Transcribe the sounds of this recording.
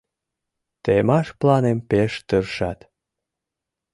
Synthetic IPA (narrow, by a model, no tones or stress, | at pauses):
t̪emɑʃplɑnempeʃt̪ərʃɑt̪